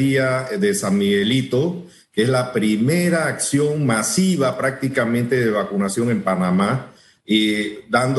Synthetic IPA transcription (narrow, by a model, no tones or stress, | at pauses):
iaðesamiɣelit̪o | keezlapɾimeɾaːksjo̞ŋmasiβapɾak̚t̪ikamẽnt̪eðeβakunasjo̞ŋe̞mpanama | d̪and̪